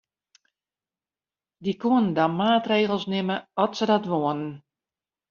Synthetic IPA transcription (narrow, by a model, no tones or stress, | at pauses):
dikuənndɔmaːtreːɣəlˠsnɪməɔtsədɔtʋoənn